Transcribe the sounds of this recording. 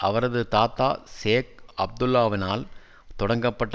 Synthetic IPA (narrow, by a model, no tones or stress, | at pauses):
ʔɐʋɐɾɐðɯt̪aːt̪ːaːseːk̚ɐb̚d̪ʊlːaːʋɪnaːl | t̪ɔɽɐŋɡɐpːɐʈː